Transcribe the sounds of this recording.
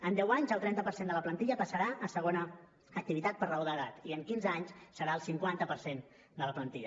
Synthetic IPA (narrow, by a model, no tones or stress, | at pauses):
ənd̪ɛwaɲzəlˠt̪ɾɛnt̪əpəɾsend̪ələplənt̪iʎəpəsəɾaʔəsəɣ̞onəː | k̚t̪iβit̪at̪̚pəɾrəoðəðat̪iəŋkinzaɲssəɾaəlˠsiŋkwant̪əpəɾsen | d̪ələplənt̪iʎə